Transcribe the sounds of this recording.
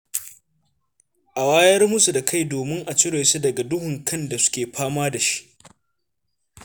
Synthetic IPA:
ʔa˨waː˦jɐ˦rmʊ˦su˨da˨kʰa˦˨jdoː˨mɪ˦ŋʔa˨t͡ʃɪ˦ɽa˨su˦dɐ˨ɡa˨dʊ˦hʊ˨ŋkʰɐ˦nda˨sʊ̥˦kʲeː˨ɸʰaː˦maː˦da˨ʃi̥˦ʔ

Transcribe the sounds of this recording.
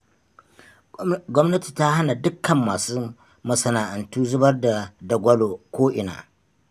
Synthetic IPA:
ɡʷɔ˦mnɐ˦ti̥˨ta˦ha˦na˨dʊ˦kʰːɐ˨mːaː˨suː˦ | mɐ˨sɐ˨naː˨ʔa˨ntuː˦zʊ˦bɐ˦rda˨dɐ˨ɡʷɐ˦lo˨kʷoː˦ʔɪ˨na̰ː˨ʔ

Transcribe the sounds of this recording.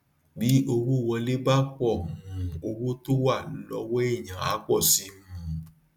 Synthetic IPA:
bi˨˦ʔo˧wo˦˨wɔ˧le˦ba˦k͡pɔ˦˨mũ˨o˧wo˦to˦wa˦˨lɔ˨˧˦wɔ˦e˦˨jã˨a̰˨˦k͡pɔ˦˨si˨˦m̃˦ũ˨˦

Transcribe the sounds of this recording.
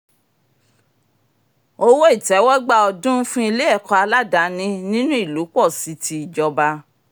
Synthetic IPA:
o˦wo˦i˦˨tɛ˨˦wɔ˦ɡ͡ba˦˧ɔ˧dũ˦fũ˦i˧le˦ɛ˦˨kɔ˧a˧la˦da˨˦nĩ˦nĩ˦nũ˦i˦˨lu˨˦k͡pɔ˦˨si˧˦tʰi˧i˨d͡ʒɔ˧ba˧

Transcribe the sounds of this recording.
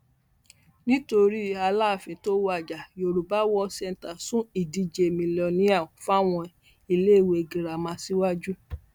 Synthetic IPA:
nĩ˦to˧ɾi˦a˧la˦˨fĩ˧to˦wa˨d͡ʒa˨jo˨ɾu˨ba˦wɔ˦sɛ˦˧n̩˨ta˨sũ˦i˨di˧d͡ʒe˨mĩ˧lɔ˧nĩ˦a˦˨fa˦˨w̃ɔ̃˧ | i˧le˦˨we˧˨ɡĩ˨ɾa˨mã˧˦si˦wa˦d͡ʒu˦

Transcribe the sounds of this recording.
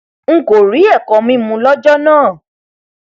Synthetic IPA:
ŋ̩˦ko˨ɾi˨˦ɛ˦˨kɔ˨˦mĩ˦mũ˧lɔ˦d͡ʒɔ˦nãː˦˨

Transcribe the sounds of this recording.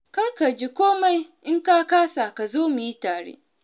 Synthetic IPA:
kɐ˦rka˨d͡ʒi˦kʷoː˦ma˦jʔɪ˦ŋkaː˦kaː˦sa˨ka˨zoː˦mu˨ji˦taː˨ɽḛː˦

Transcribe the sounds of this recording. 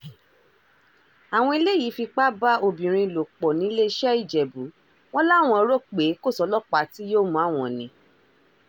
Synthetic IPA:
a˨w̃ɔ̃˧i˧le˦ji˨˦fi˧k͡pa˦ba˦o˧bĩ˨ɾ̃ĩ˧˨lo˨k͡pɔ˨nĩ˨˦le˦˧ʃɛ˦i˦˨d͡ʒɛ˨bu˨˦ | w̃ɔ̃˦la˦˨w̃ɔ̃˧ɔ˧ɾo˦k͡pe˨˦ko˦˨sɔ˨˧˦lɔ˦k͡pa˨˦ti˦jo˦mũ˨˦a˦˨w̃ɔ̃˨nĩ˧˦

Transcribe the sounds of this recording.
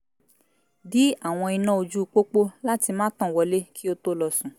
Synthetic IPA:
bi˨˦a˦˨w̃ɔ̃˧i˧nã˦o˧d͡ʒu˦˧k͡po˦k͡po˦la˦ti˧mãː˦tɔ̃˦˨wɔ˧le˦kʰi˦o˧to˦lɔ˧sũ˨˦

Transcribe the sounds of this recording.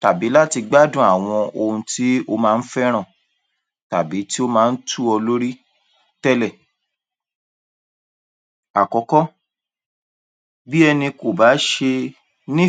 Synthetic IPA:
ta˨bi˨˦la˦ti˧ɡ͡ba˦dũ˦˨a˨w̃ɔ̃˧o˧ũ˧ti˦o˧mãː˦˧n̩˦fɛ˦ɾ̃ã˦˨ | ta˨bi˨˦ti˦o˦mãː˦˧n̩˦tʰu˦ɔ˧lo˦ɾi˦ | tɛ˦lɛ˦˨ | a˨kɔ˨˦kɔ˦ | bi˦ɛ˧nĩ˧ko˨ba˨˦ʃe˧ | nĩ˦

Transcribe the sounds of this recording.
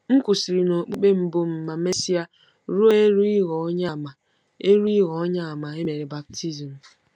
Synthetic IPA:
ŋ̩˦kʊ˨si˨ɾi˨no˨k͡pu˦k͡pe˦m̩˨bʊ˦m̩˨ma˨me˦si˦a˦ | ɾo˦e˦ɾu˦i˦ɣɔ˨ɔ˦ɲa˦˨ma˨ | e˦ɾu˦i˦ɣɔ˨ɔ˦ɲa˦a˨ma˨e˦me˨ɾe˨ba˨p̚tʰi˦zi˨m̩˨

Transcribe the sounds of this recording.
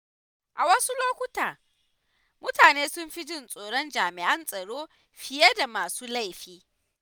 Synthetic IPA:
ʔa˨wɐ˦su˦loː˦kʷʊ˦taː˨ | mʊ˦taː˨neː˦sʊ˦mɸi˦d͡ʒɪ˦˨nsʼoː˨ɽɔ˦nd͡ʒaː˨mɪ˨ʔɐ˦nsʼɐ˨ɽoː˦ | ɸɪ˦je˦da˨maː˨suː˦la˦˨jɸiː˦

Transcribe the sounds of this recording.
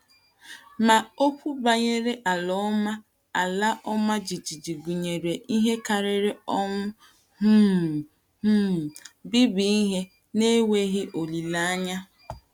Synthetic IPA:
ma˨o˦pʰʷu˦ba˨ɲe˦ɾe˦ʔa˨lɔ˦ma˦ | a˨la˦ʔɔ˦ma˦d͡ʒi˨d͡ʒi˨d͡ʒi˨ɡu˨ɲe˨ɾe˨i˦ɦe˦ka˨ɾɪ˨ɾe˦ɔ˦ŋʊ˦ | ɦu˦˨ | u˦˨bi˦bi˨˦i˦ɦe˦ | ne˦we˦ɦɪ˦ʔo˨li˨la˦a˦ɲa˦

